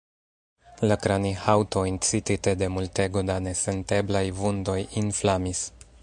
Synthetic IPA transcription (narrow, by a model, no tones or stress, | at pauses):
lakɾanihawto̞int͡sitite̞de̞multe̞ɡo̞dane̞se̞nte̞blajvundo̞jinflamis